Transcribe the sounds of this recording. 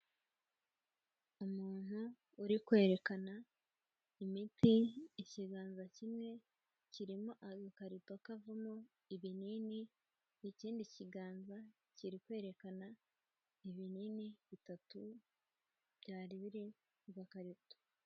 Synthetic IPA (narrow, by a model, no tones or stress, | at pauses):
umuːn̥huː | ɾikwe̞ːɾe̞kana | imitiiciɡaːnzacimŋe̞ | ciɾimoʔaɡakaɾituakavumo | iβinini | iciːndiciɡaːnza | ciɾikwe̞ːɾe̞kana | iβininiβitatu | β̥ɟaːɾiβiɾi | ɡakaɾitu̥